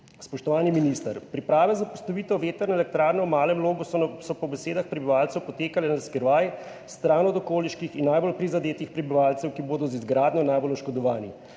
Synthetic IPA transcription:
spɔʃt̪ɔʋaːniminist̪aɾpɾipɾaːʋɛzapɔst̪ɔʋiːt̪ɔʋeːt̪ɛɾnɛlɛk̚t̪ɾaːɾnɛwmaːlɛmloːɡusɔpɔbɛseːd̪axpɾɛbiʋalt̪sɛwpɔt̪eːkalɛnaskɛɾʋaj | st̪ɾaːnɔd̪ɔkoːliʃkixinːajbolpɾizad̪eːt̪ixpɾɛbiʋaːlt̪sɛwkiboːd̪ɔzizɡɾaːd̪ɲʲɔnajbolɔʃkɔd̪ɔʋaːni

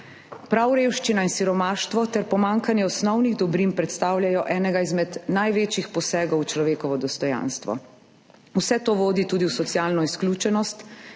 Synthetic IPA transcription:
pɾawɾeːwʃt͡ʃinainsiɾɔmaːʃt̪ʋɔt̪ɛɾpɔmaŋkanjɛɔsnɔwniɣd̪ɔbɾinpɾɛt̪st̪aːwlʲjajɔʔɛːnɛɡaizmɛd̪najʋeːt͡ʃixpɔsɛːɡɔwt͡ʃlɔʋeːkɔʋɔd̪ɔst̪ɔjã̰nst̪ʋɔ̰ | usɛt̪oːʋoːd̪it̪uːd̪iwsɔt̪sjaːlnɔisklʲuːt͡ʃɛnɔst̪

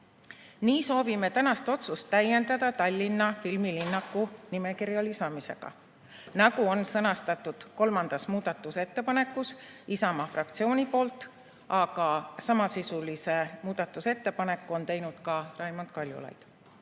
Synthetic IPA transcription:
niːso̞ːvime̞t̪ænɑst̪o̞t̪sust̪ːæje̞nd̪̥ɑd̪̥ɑt̪ɑlʲːinːɑfilmilinːɑkːˑunime̞kirjɑlisɑmise̞̰ɡ̥ɑ̰ | nɑɡuo̞nsɤnɑst̪ɑt̪ːˑud̪̥ko̞lmɑnd̪̥ɑsmuːd̪̥ɑt̪ːˑuse̞t̪ːe̞pɑne̞kːˑusisɑmɑfrɑk̚t̪sio̞ːnʲipo̞ːlt̪ːˑ | ɑɡɑsɑmɑsisulise̞muːd̪̥ɑt̪ːˑuse̞t̪ːe̞pɑne̞kːˑuo̞nt̪e̞jnud̪̥kɑrɑjmont̪kɑlʲjṵlɑ̰jd̪̥

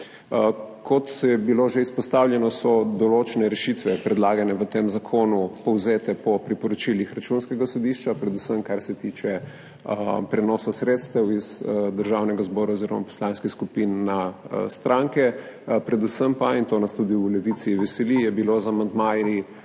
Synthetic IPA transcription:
kʰɔt̪jɛbiloʒeispɔst̪awljɛnɔsɔd̪ɔloːt͡ʃɛnɛɾɛʃit̪ʋɛpɾɛd̪laːɡanɛʋət̪emzakʰoːnupɔwzeːt̪ɛpɔpɾipɔɾɔt͡ʃilixɾat͡ʃunskɛɡasɔd̪iʃt͡ʃapɾɛd̪usəmkaɾsɛt̪it͡ʃɛ | pɾɛnɔːsasɾet̪st̪ɛwizd̪əɾʒawnɛɡazbɔːɾaoziɾɔ̰ma̰pɔ̥slanskixskupinːast̪ɾaŋkɛpɾɛd̪usəmpaint̪oːnast̪ud̪iulɛʋit̪siʋɛsɛlijɛbilozamand̪maji

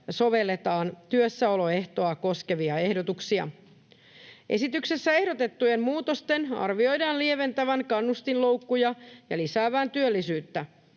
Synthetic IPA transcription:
so̞ʋe̞lːe̞t̪ɑːnt̪yøsːæo̞lo̞e̞ht̪o̞ɑko̞ske̞ʋiɑe̞hdo̞t̪uksiɑ̰ | ʔe̞̰sit̪ykse̞sːæe̞hdo̞t̪e̞t̪ːuje̞nmmuːt̪o̞st̪e̞nɑ̰rʋio̞jdɑːnlieʋe̞nt̪æʋæŋkɑnːust̪inlo̞uwkːujɑjɑlisæːʋæːnt̪yølːisyːt̪ːæ

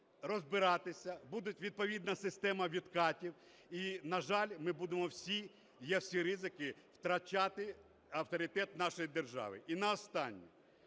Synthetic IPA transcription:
rɔzbɪɾɑt̪ɪsʲɐbud̪ʊtʲʋʲid̪̚pɔʋʲid̪nɐsɪst̪ɛmɐʋʲid̪kɑtʲiw | inɐʒɑlʲmɪbud̪emɔwsʲi | jɛwsʲiɾɪzɪkɪw̥t̪ɾɐt͡ʃat̪ɪ | ɐwt̪ɔɾʲɪt̪ɛt̪nɑʃɔjid̪erʒɑ̰ʋɪ̰ʔinɐɔst̪ɑnʲːḭ

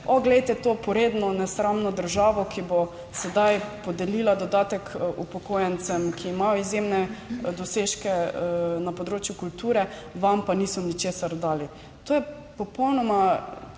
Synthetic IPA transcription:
ɔɡlɛjt̪ɛt̪oːpɔɾeːd̪nɔnɛsɾamnɔd̪əɾʒaːʋɔkibo | sɛd̪ajpɔd̪ɛliːlad̪ɔd̪aːt̪ɛkupɔkojɛnt̪t͡ssɛmkiːmajɔizjemnɛd̪ɔseːʃkɛnapɔd̪ɾoːt͡ʃjukult̪uːɾɛ | ʋampaniːsɔnit͡ʃesaɾd̪aːli | t̪oːjɛ | pɔpɔwnɔma

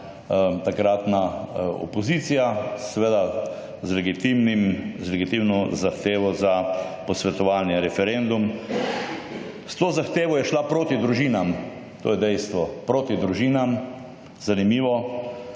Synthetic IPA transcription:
t̪akɾat̪naɔ̰pɔzit̪sijasɛʋeːd̪a | zlɛɡit̪imnimzlɛɡit̪iwnɔzaxt̪eːʋɔza | pɔsʋɛt̪ɔʋaːlnjɛɾɛfɛɾend̪um | st̪oːzaxt̪eːʋɔjɛʃlapɾoːt̪id̪ɾuʒiːnam | t̪o̰ːjɛd̪ɛjst̪ʋɔpɾoːt̪id̪ɾuʒiːnam | zanimiːʋɔ

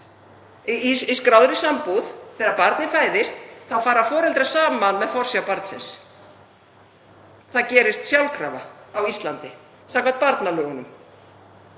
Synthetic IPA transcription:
iskɾawðɾɪsampuðθɛːɾaɾpaɾt̪nɪfaːjðɪst̪θaðfaːɾḁfɔːɾɛlt̪ɾasaːmmanmɛðfɔɾ̥sjapaɾt̪sɛ̰ns | θaðcɛːɾɪst̪sjawlkʰɾa̰ːva̰awist̪lant̪ɪ | sakvat̪̚paɾt̪nalœːɣʏnʏm

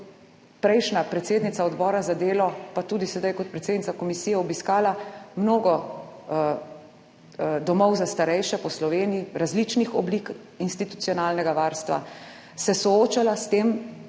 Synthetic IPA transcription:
pɾɛjʃnapɾɛt̪seːd̪nit̪saɔd̪bɔːɾazad̪eːlɔpat̪uːd̪isɛd̪ajkɔt̪̚pɾɛt̪seːd̪nit̪akɔmisijɛɔbiskaːlamnoːɡɔ | d̪ɔmɔwzast̪aɾɛjʃɛpɔslɔʋeːnijiɾazlit͡ʃnixɔblik | inst̪it̪u̥t̪sijɔnaːlnɛɡaʋaːɾst̪ʋa̰ | sɛsɔoːt͡ʃalast̪eːm

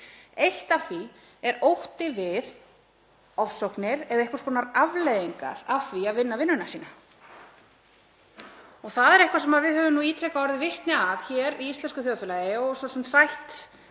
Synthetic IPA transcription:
ejl̥t̪avθi | ɛɾowht̪ɪvɪð | ɔfsɔwknɪɾɛðaehkvḁɾskɔːnaɾavlejðiŋka̰ɾavθviaðvɪnːavɪnːʏnasiːna | ɔɣθaðɛɾɛhkvaɾsɛmaðvɪðhœːvʏmnuiːt̪ʰɾejkaɔɾðɪvɪht̪nɪavçɛɾiist̪lɛnskʏθjɔðfɪlaːjɪɔsɔsɛmt̪sajht̪

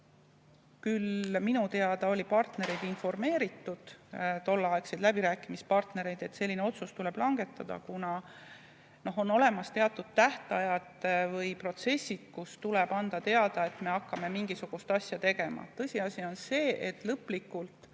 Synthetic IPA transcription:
kylminut̪e̞ɑd̪̥ɑo̞lʲipɑrt̪neɾe̞jd̪info̞rme̞ːɾit̪ːˑud̪̥t̪o̞lːɑɑeksed̪læbiɾæːkːˑimispɑrt̪ne̞ɾe̞jd̪̥e̞t̪se̞lʲːineo̞t̪sust̪ule̞b̥lɑŋɡe̞t̪ːˑɑd̪̥ɑ̰kunɑ | no̞ɦo̞no̞le̞mɑst̪e̞ɑt̪ːˑud̪̥̚t̪æht̪ɑjɑt̪vɤjpro̞t̪se̞sʲːid̪̥kust̪uleb̥ɑnd̪̥ɑt̪e̞ɑd̪̥ɑe̞t̪me̞ɑkːɑme̞miŋɡ̥isuɡ̥ust̪ɑsʲjɑt̪e̞ɡ̥e̞mɑ̰t̪ːɤsʲiɑsʲio̞nse̞ːʔet̪ːˑlɤpːlikːˑult̪

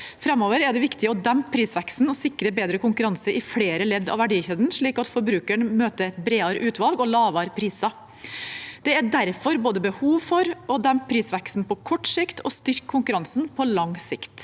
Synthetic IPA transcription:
fɾɑmoːʋəɾæɖɛʋɪkt̪ɪəɔd̪æmp̚pʰɾiːsʋæksn̩ɔsɪkɾəbeːd̪ɾəkʊŋkʉɾɑnsəɾʔɪfleːɾəlɛd̪ːɑ̰ʋæɖiːçeːd̪nʂɭiːkɑt̪fɔɾbɾʉːkəɳmøːt̪əɛt̪̚bɾeːɑɾəʔʉːt̪ʋɑlɡɔlɑːʋɑɾpʰɾiːsɑ | d̪ɛæɖæɾfɔɾboːd̪əbəhuːʋfɔɾɔd̪æmp̚pʰɾiːsʋæksn̩pʰɔkʰɔʈːsɪkt̪ʰɔ̰st̪ʏɾkʰːʊŋkʉɾɑnsnpʰɔlɑŋsɪkt̪

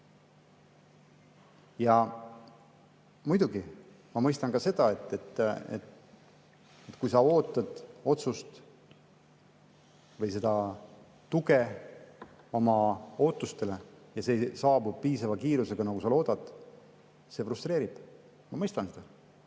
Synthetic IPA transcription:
jɑ | mujd̪̥uɡi | mɑmɤjst̪ɑnkɑse̞d̪̥ɑet̪ːet̪ːḛt̪ | et̪ːˑkujsɑo̞ːt̪ːˑɑd̪̥o̞t̪sust̪ | vɤ̞jse̞d̪̥ɑ | t̪uɡe̞ | omɑo̞ːt̪ːˑust̪e̞le̞jɑse̞sɑːbubpiːsɑvɑkiːɾuse̞ɡ̥ɑnɑkusɑlo̞ːd̪̥ɑd̪̥ | se̞frust̪ɾe̞ːɾib̥ | mɑmɤjst̪ɑnse̞d̪̥ɑ

